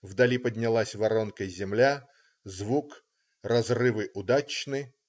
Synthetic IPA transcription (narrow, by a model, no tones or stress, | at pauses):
vd̪ɐlʲipədʲnʲɪlˠasʲvɐɾonkəjzʲɪmlʲa | zvuk | rɐzrɨvɨʔʊd̪at͡ɕnɨ